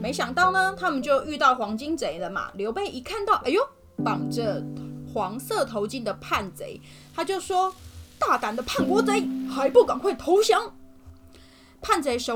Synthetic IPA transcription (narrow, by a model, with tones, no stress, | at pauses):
me˧˥ɪɕjɑ˨˩ŋt̪ɑ˥˩ʊnə˩t̪ʰa˦˥mə˨nt͡ɕjo˥˧ʊy˥˧t̪ɑ˥˩ʊxwɑ˧˥ŋt͡ɕi˥ŋt͡se˨˩ɪlə˨ma̰˨˩ljo˧˥ʊpe˥ɪʔi˨˥kʰa˥˧nt̪ɑ˥˩ʊʔa˨˩jo˥˨˦ | p̪ɑ˨˩ŋʈ͡ʂə˦xwɑ˧˥ŋsɤ˥˨t̪ʰo˧˥ʊt͡ɕi˥˩nd̪ə˨pʰa˥˨nt͡sḛ˧˥˦ɪt̪ʰa˥t͡ɕjo˥˩ʊʂwɔ˥t̪a˥˩ka˨˩nd̪ə˦pʰa˥˩nkwɔ˥t͡se˥ɪxa˧˥ɪpu˥˩ka˨˩nxwe˥˩ɪt̪ʰo˨˧˥ʊɕjɑ˧˥ŋ | pʰa˥˩˨nt͡se˧˥ɪʂo˨˦